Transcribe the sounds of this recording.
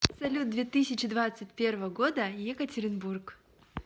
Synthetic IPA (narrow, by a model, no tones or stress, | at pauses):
sɐlʲut̪̚d̪vʲet̪ɨsʲɪt͡ɕɪd̪vat̪sɨt̚ʲpʲe̞rvəvəɡo̞d̪əjɛkətʲɪɾʲɪnburk